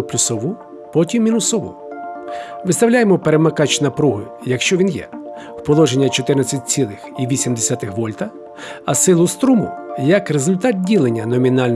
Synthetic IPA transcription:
ʊplʲʊsɔʋu | pɔtʲimːʲinʊsɔʋṵ | ʋɪst̪ɐwlʲajemɔpeɾemɐkɑt͡ʃnɐpɾuɦʊ | jɐkʃt͡ʃɔʋʲinjɛ̰ | wpɔlˠɔʒenʲːɐt͡ʃɔt̪ɪrnɐt͡sʲɐt̚ʲt͡sʲilˠɪxiʋʲisʲimd̪esʲat̪ɪxʋɔlʲt̪ɐ | ɐsɪlˠʊst̪ɾumʊ̰jɐkrezʊlʲt̪ɑt̪̚dʲilˠenʲːɐnɔmʲinɑlʲn

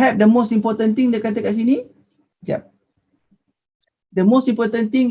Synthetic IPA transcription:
ɛp̚dəmostĩmpɔt̪ə̃nt̪ĩŋdekat̪̬əkaʔs̬ini | ɡɛ̰p̚ | dəmostĩmpɔt̪ə̃nt̪ĩŋ

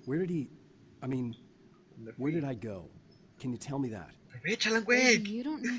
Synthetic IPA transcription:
wə˞ɾɨd̚i | aɪmĩn | wə˞ɾɨɾaɪɡoʊ | kʰɨ̃njɨtʰɛlˠmiðæ̰t̚wet͡ʃalãŋɡweɾõn

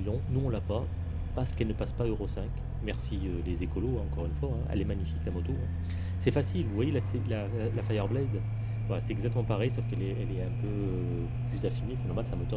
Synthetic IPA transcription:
lɔ̃nuɔ̃lapa | paʁsə̥kɛlnəpaspaøʁosɛ̃k | mɛʁsiølezekɔloɛ̃ɑ̃kɔʁynfwaɛ̃ɛ̰lɛmaɲifiklamɔt̪oɛ̃ | sɛfasilvuvwajelasɛla | alafajœʁblɛjd̪ | valasɛt̪ɛɡzak̚t̪əmɑ̃paʁɛjsɔfkɛlɛɛlɛɛ̃pø | plyzafinesɛnɔʁmalsamɔt̪o

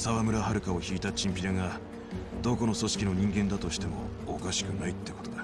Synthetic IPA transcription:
saβamɯ̟ɾahaɾɯ̟kao̞çiːt̪at͡ɕĩmpʲiɾaɡa | d̪̥o̞ko̞no̞so̞ɕi̥kʲino̞ɲ̟ĩŋɡẽ̞nd̪at̪o̞ɕi̥t̪e̞mo̞̰ːkaɕi̥kɯ̟nait̪ːeko̞t̪o̞d̪a

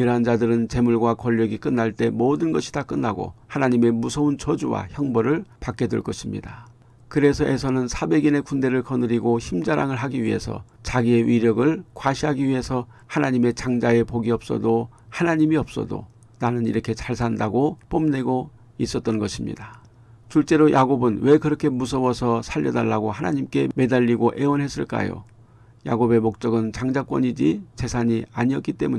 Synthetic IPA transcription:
jɯɾɦand͡ʑadɯɾɯnt͡ɕe̞muɭɡwakʌʎːʌɡik͈ɯnːaɭt͈e̞modɯnɡʌɕʰi̥dak͈ɯnːaɡo̰hanaɲime̞musʰʌunt͡ɕʌd͡ʑuwa̰çjʌŋbʌɾɯɭpak͈e̞dṵɭk͈ʌɕʰimɲḭda | kɯɾe̞sʰʌʔe̞sʰʌnɯnsʰabe̞ɡine̞kunde̞ɾɯɭkʌnɯɾiɡoçimd͡ʑaɾaŋɯɭɦaɡiɥiɦe̞̰sʰʌ̰ | t͡ɕaɡie̞ɥiɾjʌɡɯɭkwaɕʰiɦaɡiɥiɦe̞sʰʌ | hanaɲime̞t͡ɕaŋd͡ʑae̞poɡiʌp̚s͈ʌ̰do | hanaɲimiʌp̚s͈ʌ̰do̰ | nanɯnḭɾʌkʰe̞t͡ɕaɭsʰandaɡop͈omne̞ɡo | is͈ʌt̚t͈ʌnɡʌɕʰimɲḭda | t͡ɕuɭt͡ɕ͈e̞ɾojʔaɡobɯnwe̞kɯɾʌkʰe̞musʰʌwʌsʰʌsʰaʎːʌdaɭːaɡoɦanaɲimk͈e̞me̞daʎːiɡoʔe̞onɦe̞s͈ɯɭk͈a̰jo̰ | ja̰ɡobe̞mok̚t͡ɕ͈ʌɡɯnt͡ɕaŋd͡ʑak͈wʌ̰ɲid͡ʑise̞sʰaɲiaɲiʌtk͈it͈e̞muɲ

